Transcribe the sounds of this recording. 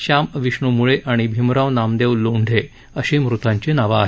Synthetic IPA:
ɕamʋiɕɳumuɭeʔaɽ̃ibʱimɾãʋnamd̪eʋluɳɖʱe | əɕemɾut̪ãɲt͡ɕenaʋaːɦ

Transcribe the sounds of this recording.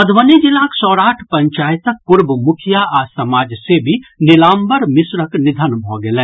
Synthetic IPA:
pəd̪ʱʋənid͡ʒilaksɔːɾaːʈʰpə̃ɲt͡ʃaːjt̪ək̚puɾbəmʊkʰijaaːsɐmaːd͡ʒsebʱinɪlaːmbəɾmɪsɾəknɪd̪ʱənbʱoɡelɛ̃ː

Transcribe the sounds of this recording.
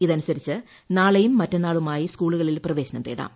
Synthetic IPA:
iðɐnusɐɾit͡ɕːɨ | naːɭɐjumːɐtːɐnːaːɭumaːjiskuːɭuɣɐɭilprɐʋe̞ːɕɐnɐmt̪ḭːɽa̰ːm

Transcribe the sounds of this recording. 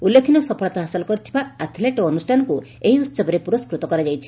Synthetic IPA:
ulːekʰinɔsɔpʰɔɭt̪ɔɦasilɔkɔɾit̪ʰibaat̪ʰleʈoɔnusʈʰanɔku | eɦiussɔbɔɾepuɾɔskɾut̪ɔkɔɾad͡ʒajt͡ʃʰi̥

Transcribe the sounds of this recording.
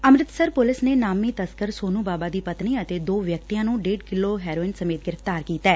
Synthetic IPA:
əmɾɪt̪səɾpʊlɪsneːnaːmiːt̪əskəɾsoːnũːbaːbaːd̪iːpət̪niːət̪eːd̪oːʋjək̚t̪ijãːnũːɖeːɖkɪloːɦɛːɾoːɪnsəmeːt̪̚ɡɪɾəft̪aːɾkiːt̪ɛː

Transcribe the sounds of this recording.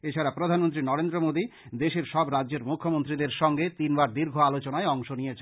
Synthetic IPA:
et͡ɕʰaɾapɾod̪ʱanmont̪ɾinɔɾend̪ɾomod̪id̪eʃeɾʃɔbɾadːʑeɾmukʰːomont̪ɾid̪eɾʃɔŋɡet̪inbaɾd̪iɾɡʱoalot͡ɕonaeɔŋʃonijet͡ɕʰe

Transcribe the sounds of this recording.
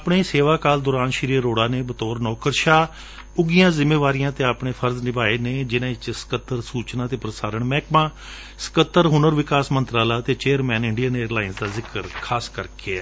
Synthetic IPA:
apɳeːseːʋaːkaːld̪ʊːɾaːnʃəɾiːəɾoːɽaːneːbət̪ɔːɾnɔːkəɾʃaː | ʊɡijãːzɪmeːʋaːɾijãːt̪eːaːpɳeːpʰəɾznɪbaːeːneːd͡ʒɪnãːɪt͡ʃsə̥kət̪ːəɾsuːt͡ʃnãːt̪eːpɾəsaːɾəɳmɛːkmãː | sə̥kət̪ːəɾɦʊnəɾʋɪkaːsmənt̪ɾaːlaːt̪eːt͡ʃeːəɾmɛːnɪɳɖiəneːɾlaːɪnsd̪aːzɪkəɾkʰaːskəɾkʰeɛː

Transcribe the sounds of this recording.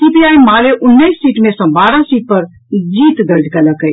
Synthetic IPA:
sipiajmaleʔunːəjsːiʈmesə̃baɾasiʈ̚pəɾ | d͡ʒit̪d̪əɾd͡ʒʱkɛləkəj

